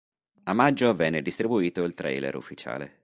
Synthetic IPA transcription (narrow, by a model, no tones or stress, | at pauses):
amːad͡ʒːovɛnːed̪ist̪ɾibuiːt̪oilt̪ɾɛ̰jlḛɾṵfːit͡ʃa̰ːlḛ